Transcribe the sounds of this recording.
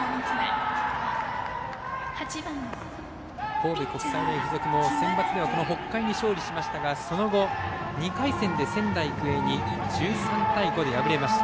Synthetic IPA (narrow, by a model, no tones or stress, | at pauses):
hat͡ɕia | ko̞ːb̪eko̞kɯ̥sainaiɸɯzo̞kɯ̟mo̞sẽ̞mbat͡sɨd̪e̞βako̞no̞ɦo̞kːaiɲ̟iɕo̞ːɾʲiɕimaɕi̥t̪aɡaso̞no̞ɡo̞ɲ̟ikaisẽ̞nd̪e̞sẽ̞nd̪aikɯ̟e̞ɲ̟id͡ʑɨːsãnt̪aiɡo̞d̪e̞jabɯɾe̞maɕi̥t̪a